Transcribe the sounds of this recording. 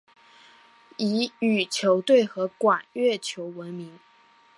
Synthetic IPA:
i˧˥y˨˩t͡ɕʰjo˧˥ʊt̪we˥˩ɪxɤ˧˥kwa˨˩nɥɛ˥˩t͡ɕʰjo˧˥ʊwə˧˦˥nmi˧˥ŋ

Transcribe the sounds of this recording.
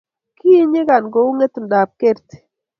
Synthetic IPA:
kʰi˦ɲɪ˦ɡa˨nɡɔ˨u˦ŋe˦t̪nda˨p̚ke˦ɾt̪

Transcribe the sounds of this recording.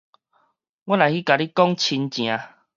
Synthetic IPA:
wa˦la˨jhi˦ka˨li˦kɔ˦ŋt͡ɕʰi˧nt͡ɕj̃ã˨˦

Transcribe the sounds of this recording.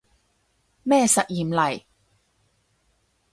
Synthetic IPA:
mɛː˥˧sɐ˨t̚jiː˨˩mlɐ˨˩j

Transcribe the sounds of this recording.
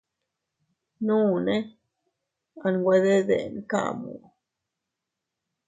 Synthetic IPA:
nũ˦˨ne˦ | a˨nɡwe˦d̪e˦d̪ḛ˨nka̰˦˨mṵ˨

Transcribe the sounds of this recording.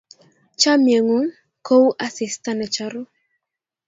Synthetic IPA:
t͡ʃa˦mje˨ŋo˨˦ | ko˦wʔa˦sɪ˨sta˦nɛ˨t͡ʃa˨ɾo˦

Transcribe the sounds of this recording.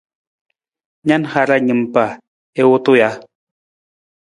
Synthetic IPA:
ɲa˦nxa˨ɾa˦ɲɨ˨mpa˨ | e˦wu˦t̪u˦ja˦

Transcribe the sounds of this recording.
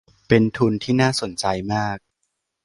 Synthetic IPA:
pe˧nt̪ʰu˧nt̪ʰiː˥˩naː˥˩so˨˩˦nt͡ɕa˧jmaː˥˩k̚

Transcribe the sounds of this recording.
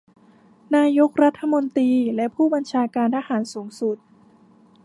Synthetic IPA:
naː˧jo˦˥k̚ɾa˦˥t̪ʰːa˧mo˧nt̪iː˧lɛ˦˥pʰuː˥˩ba˧nt͡ɕʰaː˧kaː˧ntʰaː˧haː˩˦nsuː˩˦ŋsu˨˩t̪̚

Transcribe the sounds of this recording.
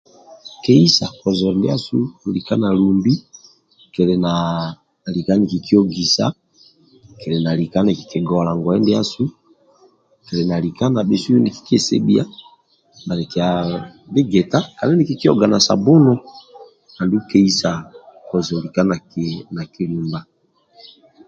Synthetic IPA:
ke˦i˦sa˨kɔ˨zɔ˨ndɛ˦a˦su˦˨li˨ka˦na˨lu˨mbi˦ | kɛ˨lɛ˨na˨ | li˨ka˦ni˨ki˨ki˦o˦ɡi˨sa̰˦ | ke˨lɛ˨na˨li˨ka˦na˨ki̥˨kɛ˨ɡɔ˨˦a˨la˨ŋɡwɛ˦ndɛ˦a˦su˦ | kɛ˨lɛ˨na˨li˨ka˦na˨be˨su˦e˦nde˨ki̥˨ke˨sḛ˦bi˦a˦ | mba˨ne˨ki˨a˨be˦ɡe˨ta˦ka˨ɛ˦ni˨ki˦˨ki˦ɔ̰˦˨ɡa˨na˨sa̰˨bo˦no˦ | na˨ndu˦ke˦i˦sa˨kɔ˨zli˨ka˦na˨na˨ki˨li˨mba˦

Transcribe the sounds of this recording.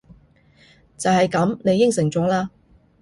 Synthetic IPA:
t͡sɐ˨whɐ˨jkɐ˨˥mne˨˧jːɪ˥ŋsɪ˨˩ŋt͡sɔː˨˥laː˧

